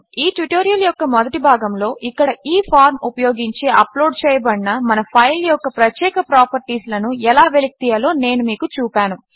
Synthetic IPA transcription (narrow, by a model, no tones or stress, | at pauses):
iːʈiʈoːɾijɐljɔkːɐmɔd̪ɐʈibʱaːɡɐmlo̞ːʔikːɐɽɐiːpʰaːɾmupɐjo̞ːɡiɲt͡ʃeːʔɐplo̞ːɖ̚t͡ʃɛːjɐbɐɳːɐmɐnɐpʰɐjljɔkːɐpɾɐt̪jɛːkɐpɾaːpɐɾʈiːslɐnuɛlaːʋelik̚t̪iːjɐlo̞ːne̞ːnumiːkut͡ʃuːpʲaːnu